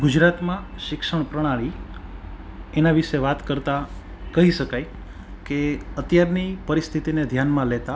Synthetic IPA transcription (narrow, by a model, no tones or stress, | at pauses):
ɡud͡ʒɾat̪mãʃɪkʃəɳpɾəɽ̃aɭi | enaʋiʃeʋat̪kəɾt̪a | kəɦiʃəkaj | keət̪jaɾnipəɾist̪ʰit̪ined̪ʱjanmãlet̪a